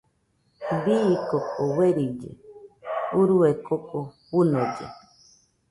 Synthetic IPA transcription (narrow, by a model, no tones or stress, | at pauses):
biːkokoweɾid͡ʒḛ | uɾuekokʼoβunod͡ʒḛ